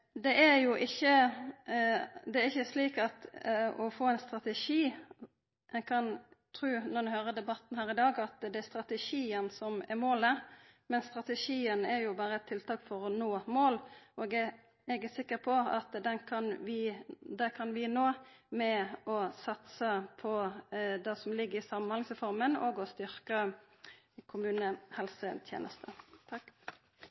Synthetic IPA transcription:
d̪ɛʔæɾjʊʔɪçːə | d̪ɛæɾɪçːəʂliːkɑt̪ɔfoːɛnst̪ɾɑt̪ɛʂiː | mʔɛɡkʰɑnt̪ʰɾʉːnɔʁnʉhøːɾəd̪ɛbɑt̪n̩hæːɾɪd̪ɑːɡɑt̪d̪ɛæɾst̪ɾɑt̪əʂiːənsɔmɛɾmoːləmɛnst̪ɾɑt̪əʂiːənæɾjʊbɑːɾəɛt̪ʰːɪlt̪ʰɑːkfɔɾɔnoːmoːloɡɛ | ɛɡəsɪkːəɾpʰɔɑ̰t̪d̪ɛnkʰɑnʋɪd̪ɛkʰɑnʋɪnoːmɛɔsɑt̪səpʰɔd̪ɛsɔmlɪɡːəɾɪsɑmːənhɑlsəfɔɾmənoːɡɔst̪ʏɾkə | kʰʊmʉːnəhɛlsət̪ʰjḛːnʔə̰st̪ʰət̪ʰɑkː

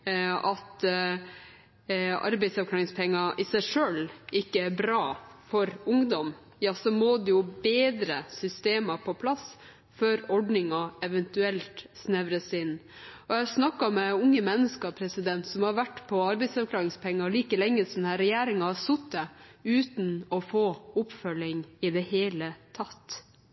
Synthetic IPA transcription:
ɑt̪ | ɑ̰ɾbɛɪd̪sɑʋklɑːɾɪŋspʰɛŋːɑʔɪsæɪʂøːlʔɪkːəæɾbɾɑːfɔɾʊŋd̪ɔm | jɑːsɔmoːd̪ɛjʊbeːd̪ɾəsʏst̪eːmɑpʰɔpʰlɑs | føːɾɔɖnɪŋɑɛʋɛnt̪ʉɛlt̪snɛʋɾəsɪnː | ɔjɛsnɑkːɑmɛʊŋːəmɛnːəskɑpʰɾɛsɪd̪ɛnt̪sɔmhɑɾʋæʈːpʰɔɑɾbɛɪd̪sɑɾkʰlɑːɾɪŋspʰɛŋːɑliːkəlɛŋːəsɔmd̪æɾɛjæːɾɪŋɑhɑsʊt̪̚d̪ɛʉːt̪n̩ɔfoːʊpfœlːɪŋɪd̪ɛheːlət̪ʰɑt̪

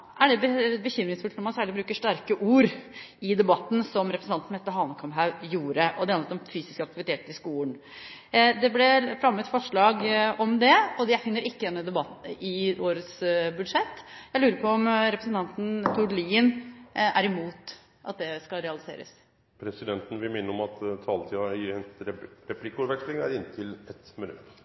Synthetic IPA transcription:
ʔæɖɛbəbəçʏmːɾɪŋsfʉlt̪nɔɾmɑnsæːɭɪbɾʉːkəʂʈæɾkəʔuːɾ | ɪd̪ɛbɑt̪ːn̩sɔmɾɛpʰɾəsn̩ɑnt̪n̩hɛt̪ːəɦɑːnkʰɑmɦɑʉjuːɾəʔɔd̪ɛɑnət̪ɔmfyːsɪ̥skɑk̚t̪ɪʋɪt̪ʰeːt̪əɪskuːəɳ | d̪ɛblɛfɾɑmːət̪fɔʂɭɑːɡɔmd̪ɛɔd̪æfɪnːəɾɪkːəd̪ɛnːəd̪ɛbɑt̪ɪʔoːɾət̪sbʉd̪ʂɛt̪ːjæɪlʉːɾəɾpʰɔɔmɾɛpɾəsənt̪ʰɑnt̪n̩t̪ʰʊɖliːənʔæɾɪmuːt̪ | ʔɑ̰t̪̚d̪ɛskɑɾɛɑlɪsḛːɾə̰s | pʰɾɛsɪd̪ɛnt̪n̩ʋɪmɪnːəɾɔmɑt̪t̪ʰɑːlət̪ʰiːɑɪɛnɾɛpʰlɪkːuɾʋɛkslɪŋæ̰ɾɪnːət̪ʰɪlɛt̪mɪnʉ̰t̪

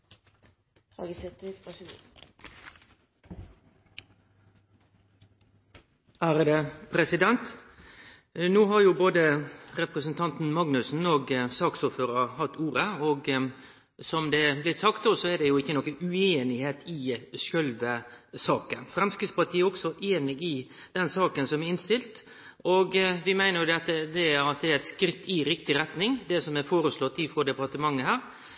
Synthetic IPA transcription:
ɑ̰ɡsɛt̪ɑ | æːɾəd̪ɛpʰɾɛsɪd̪ɛnt̪ | nuːɦɑɾjʊːboːd̪əɾɛpɾəsənt̪ʰɑnt̪n̩mɑŋnʉsn̩oːɡsɑːksɔːføːɾəhɑt̪ːuːɾəoːɡ | sɔmd̪ɛblɪt̪sɑkt̪̚d̪oːsɔɛd̪ɛjʊɪkːənɔkːənʉeːnɪheːt̪ʰɪʃœlʋəsɑːkənfɾɛmskɾɪspʰɑʈ̪ʰiːəɔksɔʔeːnɪɡɪ | d̪̥ɛnsɑːkənsɔmɛɾɪnst̪ɪlt̪ | ɔɡʋɪmæɪnəɾjʊd̪ɛt̪ːəd̪ɛæɑt̪̚d̪ɛæɾɛɪt̪skɾɪt̪ːɪɾɪkt̪ɪɾɛt̪nɪŋd̪ɛsɔmɛfoːɾəslɔt̪ːɪfɾɔd̪ɛpɑt̪əmɑŋːəhæːɾ

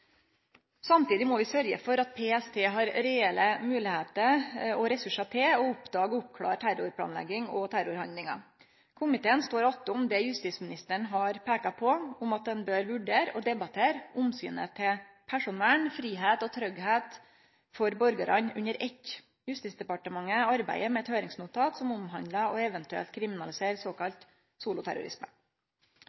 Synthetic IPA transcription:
sɑmt̪iːd̪ɪmɔʋɪsœɾɡə̰fɔɾɑt̪̚pʰeːɛst̪ʰeːɦɑɾɾɛɛləmʉːlɪheːt̪əɔɾɛsʉʂɑt̪ʰeːɔʊpd̪ɑːɡʊpkʰlɑ̰ːɾʈ̪ʰæɾʊɾpʰlɑ̰ːnlɛ̰ɡːɪŋɔt̪ʰæɾʊɾhɑnd̪lɪŋɑ̰ | kʰʊmɪt̪ʰeːənst̪oːɾɑt̪əʊmd̪ɛːjʉst̪iːsmɪnɪst̪əɳɦɑɾpʰeːkɑpʰɔʊmɑt̪̚d̪ɛnbøːɾʋʉɖeːɾɔd̪ɛbɑt̪ʰeːɾʊmsy̰ːnə̰t̪ʰɪ | pʰæʂʊnɛlɳfɾiːɦeːt̪ɔt̪ʰɾœɡheːt̪ | fɔɾbɔɾɡəɾɑɲʉ̰ɲəɾʔɛt | jʉst̪iːsd̪ɛpɑʈəmɑŋːəɑɾbæ̰ɪəɾmɛɛt̪høːɾɪŋsnuːt̪ʰɑːt̪sɔmʊmɦɑnd̪ləɔɛʋɛnt̪ʉɛ̰lt̪̚kʰɾɪmɪnɑlɪseːɾsoːkɑlt̪ | suːlʊt̪ʰæ̰ɾʊ̰ɾɪ̰smə

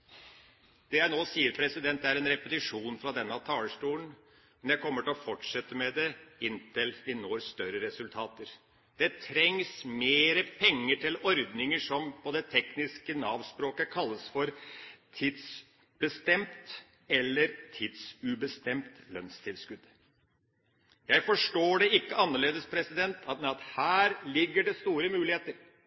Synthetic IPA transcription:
d̪̥ɛjæɪnoːsiːəɾpʰɾɛsɪd̪ɛnt̪̚d̪ɛæɾɛnɾɛpət̪ɪʂuːnfɾɑd̪ɛnːəɑʋt̪ʰɑːləʂʈuːlən̩ | mɛnjæɪkʰɔmːəʈɪlɔfɔʈʂɛt̪ːəmɛd̪ɛɪnt̪ʰɪlʋɪnoːɾst̪œɾəɾɛsʉlt̪ʰɑːt̪əɾ | d̪̥ɛt̪ʰɾɛŋsmeːɾəpʰɛŋːəʈʰɪlɔɾd̪nɪŋəʂɔmpʰɔd̪ɛt̪ʰɛknɪskənɑːʋspɾoːkəkʰɑlːəsfɔɾt̪ʰiːd̪s | b̥əst̪ɛmt̪ | ɛlːəɾt̪ʰiːd̪sʉbəst̪ɛmt̪lœ̰nst̪ʰɪlskʉd̪ | jæɪfɔʂʈoːɖɛɪkːəɑnːəɭeːd̪əspʰɾɛsɪd̪ɛnt̪ʰɑt̪ɑt̪hæːɾlɪɡːəɖɛst̪uːɾəmʉːlɪheːt̪əɾ

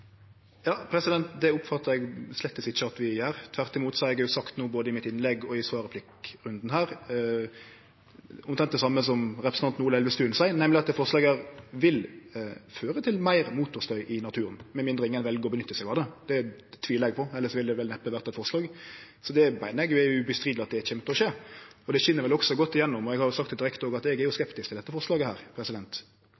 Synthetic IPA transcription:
jɑːpʰɾɛsɪd̪ɛnt̪d̪ɛʊpfɑt̪ːəɾɛɡslɛt̪ːəsɪt͡ʃːəɑt̪ʋɪjæːɾt̪ʰʋæʁt̪ɪmuːt̪sɔɑɾɛɡjʊsɑkt̪nuːboːd̪əɪmɪt̪ɪnlɛɡːɔɪsʋɑːɾəpʰlɪkɾʉnd̪n̩ɦæːɾ | ʊmt̪ʰɛnt̪d̪ɛsɑmːəs̬ɔmɾɛpʰɾəsnɑnt̪nuːlɛlʋəst̪ʉːnsæɪənɛmlɪɑt̪̚d̪ɛfɔʁʂlɑːɡæːʁʋɪl | føːɾət̪ʰɪlmæɪɾmuːt̪ʊst̪œʏʔɪnɑt̪ʰʉːɾənmɛmɪnd̪ɾəɪŋːənʋɛlɡəɔbənʏt̪ːəsɛɡɑːd̪əd̪̥ɛt̪ʰʋiːləɛɡ̚pʰɔɛləsɔʋɪld̪ɛʋɛlnɛpːəʋæʁt̪ɑɛt̪fɔɾslɑːɡ | sɔd̪ɛpæɪnəɛɡjʊɛjʊʉbəst̪ʁiːd̪lɑt̪̚d̪ɛçɛmt̪əɔʃeːɔd̪ɛçɪnːəɾʋɛlɔksɔɡɔt̪ːɪjɛnːʊmɔɛɡhɑɾjʊsɑkt̪d̪ɪɾɛkt̪oːɡɑt̪ɛɡɛɾjʊskɛpt̪ɪskt̪ɪlɛt̪ːəfɔʁʂlɑːɡəhæ̰ːɾpʰɾɛsɪd̪ɛnt̪

